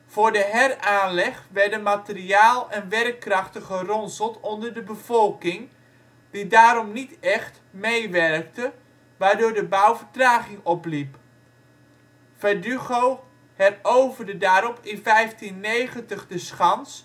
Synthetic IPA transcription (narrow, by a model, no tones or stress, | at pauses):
v̥ʊːɹdəɦɛraːnlɛχʋɛɹdənmatɪriaːlˠɛnʋɛrkːrɑχtəχərɔnsəlˠtɔndərdəbəv̥ɔlˠkɪŋ | didaːɾɔmnitɛχt | mejʋɛrk̚tə | ʋaːɹdʊːɹdəbawvəɹtraːχɪŋɔplip | fɛdyɣow | hɛrowvərdədaːɾɔpʰɪnfɛjftinːejχəntəχdəsχɑns